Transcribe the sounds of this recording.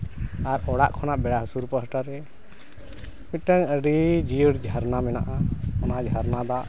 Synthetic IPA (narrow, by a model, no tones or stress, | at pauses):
aɾɔɽaʔkʰɔnaʔbɛɽaɦəsuɾpəɦəʈaɾɛ | mit̪̚ʈəŋəɖid͡ʒiɽd͡ʒʱaɾnamɛnaʔaɔnad͡ʒʱaɾnad̪aʔ